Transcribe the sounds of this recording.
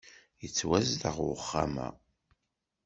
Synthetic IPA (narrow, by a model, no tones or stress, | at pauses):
jət͡sːwæzləʁwəχːa̰mæ̰